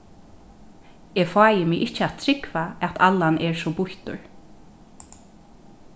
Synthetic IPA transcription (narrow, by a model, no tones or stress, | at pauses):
ɛːfɑːjɪmɪjʔɪht͡ʃːəat̪t̪ʰɾɪkvaɛt̪ʰalːanɛɹsɔbʊht̪ʊ̰ɹ